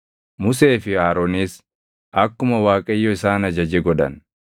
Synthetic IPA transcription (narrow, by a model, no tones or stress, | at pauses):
mʊse̞ːfɪaːɾoːniːs | ʔɐkːʊmɐwaːkʼɐjːɔɪsaːnɐd͡ʒɐd͡ʒɛɡɔᶑɐ̰n